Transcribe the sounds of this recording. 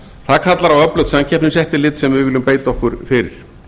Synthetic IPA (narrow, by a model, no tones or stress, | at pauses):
θaðkʰat̪laɾawœplœwt̪sancʰɛhpnɪnsɛht̪ɪlɪːt̪sɛmvɪvɪlʏmpeːjt̪ɔhkʏɾ̥fɪɾɪ̰ɾ̥